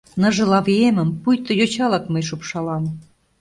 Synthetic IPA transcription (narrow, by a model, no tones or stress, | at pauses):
nɤ̆ʒɤ̆lɑβemə̆mpujt̪ŏjot͡ɕɑlɑkmə̆jʃupʃɑlɑm